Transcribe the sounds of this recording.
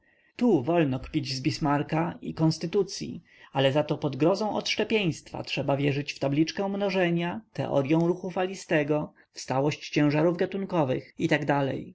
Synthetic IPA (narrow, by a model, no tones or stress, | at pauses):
t̪uvɔlnɔkpʲid͡ʑzbʲismaɾkaikɔ̃nst̪ɘt̪ut̪sʲjḭ | alɛzat̪ɔpɔd̪ɡɾɔzɔ̃w̃ʔɔ̰t̪ʂɛpʲjej̃st̪fa̰tʂɛbavʲjɛʐɘt͡ɕft̪ablʲit͡ʂkɛ̃w̃mnɔʐɛɲat̪ɛ̰ʔɔ̰ɾjɔ̃w̃ɾuxufalʲist̪ɛɡɔ | fst̪awɔɕt͡ɕt͡ɕɛ̃w̃ʐaɾuvɡat̪unkɔvɘ̰xit̪aɡd̪alɛ̰j